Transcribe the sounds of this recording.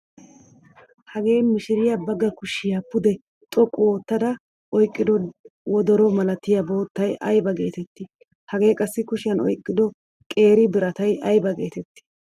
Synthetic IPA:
hɐɡe̞ːmɪʃɪɾɪjɐbɐɡːɐkʊʃɪjɐpʊd̪ɛ | t̪ʼɔkʼːʊoːt̪ːɐd̪ɐ | ʔɔjkʼːɪd̪ɔwɔd̪ɔɾɔmɐlɐt̪ːɪjɐbo̞ːt̪ːɐjʔɐ̰jbɐɡe̞ːt̪ɛt̪ːɪ | hɐɡe̞ːkʼɐsːɪkʊʃɪjɐnɔ̰jkʼːɪd̪ɔ | kʼe̞ːɾɪbɪɾɐt̪ɐjɐjbɐɡe̞ːt̪ɛt̪ːɪ̥

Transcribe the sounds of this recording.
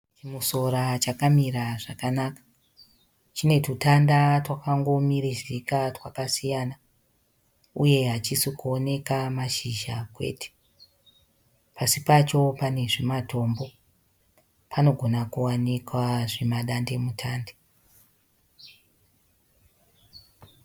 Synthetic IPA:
t͡ʃimuso̞ɾat͡ʃakamiɾaʐakanakḁ | t͡ʃine̞tutandatwakaŋɡo̞mirizikatwakasijana | uje̞ɦat͡ʃisikuo̞ne̞kamaʃiʒakwe̞̰ːtʰe̥ | pasipat͡ʃo̞pane̞ʐimatʰo̞mbo̞ | pʰano̞ɡʱo̞nakuwanikwaʐimaɗande̞mutʰaːnde

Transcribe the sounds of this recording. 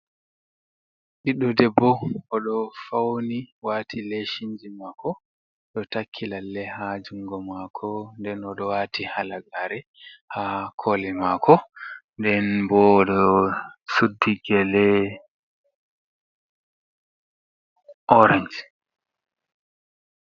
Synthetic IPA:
ʔiɗɔdɛbːɔɔɗɔfawniwaːtʰileʃiɲd͡ʒimakʰɔ | ɗɔtakʰːilalːɛhad͡ʒuŋɡɔmakʰɔndɛnɔɗɔwaːtʰihalaɡaɾɛ | hakʰolɛmakʰɔndɛnbɔːɗɔ | sudːiɡɛlɛ | ʔɔɾaɲd͡ʒ

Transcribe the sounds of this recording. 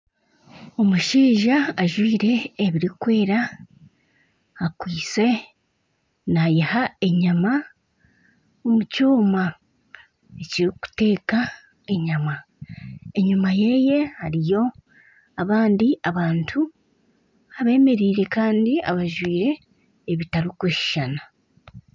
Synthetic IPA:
o̞muʃiːʒaːʒwiːɾe̞ːβiɾikwe̞ːɾa | kwiːt͡se̞ | najihae̞ɲama | omucoːma | e̞ciɾiku̥te̞ːka | e̞ɲama | e̞ɲumaje̞je̞haɾijo̞ | aβaːndiaβaːntʰu | aβe̞ːme̞ɾiːɾe̞kaːndia̰βaʒwiːɾe̞ː | βitaɾikeʃi̥ʃana

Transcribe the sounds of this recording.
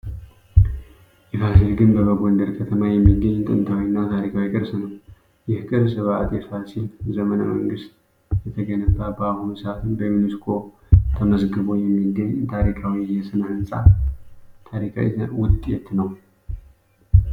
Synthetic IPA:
ʔɛfasilɡɨnbəβəɡond̪əɾkʰət̪ʰəmajɛmːiɡːəɲːt̪ʼɨ̰nt̪ʰawinːat̪ʰaɾikʰawikʼɨɾsnəw | jɛhɨkʼɨɾsɨβat̪ʼjɛfasilzəmənə̰məŋɡɨst̪ | jɛt̪ʰəɡənəbabahunsəat̪ʰɨnbəminiskʰo̞ | t̪ʰəməzɡɨβo̞jɛmːiɡəɲːt̪ʰaɾikʰawijɛsɨnɨnsʼa̰ | t̪ʰaɾikʰa̰wḭwʊd̪t̪ʼjɛt̪nəw

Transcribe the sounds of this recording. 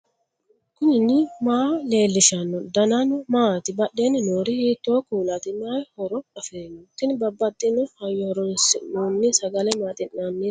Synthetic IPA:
kʊnɪnːɪmaːle̞ːlːɪʃɐnːɔd̪ɐnanʊmaːt̪ɪbɐɗːeːnːɪnoːɾɪhiːt̪ːoːkuːlɐt̪ɪmːɪɐjhɔɾɔɐfeːnːɔt̪ːɪnbɐbːɐt̪ʼːɪnːʊhɐjːɔhɔɾɔnsɪnoːnːɪsɐɡɐlɛmaːt̪ʼɪnːanːiː

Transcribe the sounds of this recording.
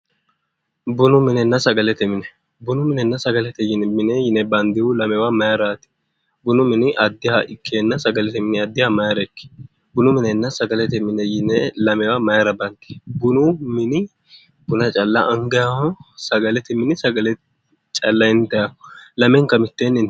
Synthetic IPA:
bʊnʊmɪnɛnːɐsɐɡɐlɛt̪ɛmɪnɛ | bʊnʊmɪnɛnːɐsɐɡɐlɛt̪ɛjɪnmɪnɛjɪnɛbɐnd̪ɪwʊlɐmɛwamɐjɐɾaːt̪ɪ̥ | bʊnʊmɪnɪʔɐd̪ːɪhɐʔɪkʰːeːnːɐsɐɡɐlɛt̪ɛmɪnɪɐd̪ːɪhamɐjɐɾɛkːɪ̥ | bʊnʊmɪnɛnːɐsɐɡɐlɛt̪ɛmɪnɛjɪnɛlɐmɛwamɐjɐɾɐbɐnd̪̥ɪ̥bʊnʊmɪnɪ | bʊnɐt͡ʃʼɐlːɐʔɐŋɡɐjahɔsɐɡɐlɛt̪ɪmɪnɪsɐɡɐlɛ | t͡ʃʼɐlːɐɪnt̪ɐjalɐmɛŋkɐmɪt̪ːenːɪn

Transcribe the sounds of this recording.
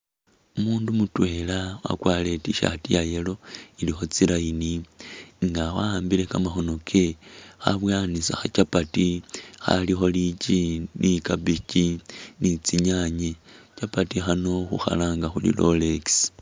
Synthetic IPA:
umuːndumutwe̞ːlawa̰kwaːle̞tiʃa̰tijajelo̞ilixo̞t͡silainiŋɡawaaːmbile̞kamaxo̞no̞kʰexaβwaːnisa̰xat͡ʃapatixa̰lixo̞lit͡ʃinʔikabicinit͡siɲaɲet͡ʃapatixano̞xṵxa̰laːŋɡaxulḭlo̞̰leksi̥

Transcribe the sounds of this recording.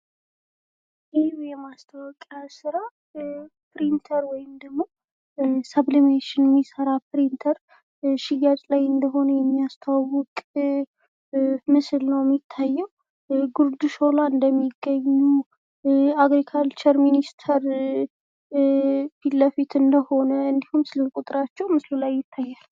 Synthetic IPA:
jɪjɛmast̪ʰəwɔkʼjasɨɾa | pɾint̪ʰəɾwɔjɪmd̪əɡmːo̞ | səblimeʃɪnmːisəɾapɨɾint̪ʰəɾ | ʃiɡat͡ʃʼlajɨnd̪əɦo̞nəjɛmːijast̪ʰawʊkʼ | mɨslnəwjmɪt̪ʰːajːɛw | ɡuɾd̪uʃolaɨnd̪əmːiɡːəɲːu | aɡɾikʰalt͡ʃəɾminist̪ʰəɾ | filːəfit̪ɨnd̪əho̞nəɨnd̪ihumsɨlɨlkʼut̪ʼɨɾat͡ʃːɛwmɨslulajːɪt̪ʰːajːal

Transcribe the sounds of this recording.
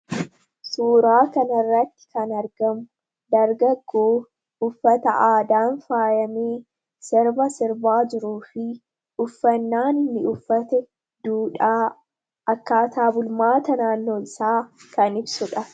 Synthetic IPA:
suːɾaːkɐnɐrːɐt̪ːɪ̥kɐnɐɾɡɐmʊ | d̪ɐɾɡɐɡːoː | ʊfːɐt̪ɐʔaːd̪aːnfaːjɐmiː | sɛɾbɐsɪɾbaːd͡ʒɪɾuːfɪ | ʊfːɐnːaːnɪnːɪʊfːɐt̪ɛ | d̪̥uːᶑaː | ʔɐkːaːt̪aːbʊlmaːt̪ɐnaːnːoːɪsaːkɐnɪbsʊᶑɐ

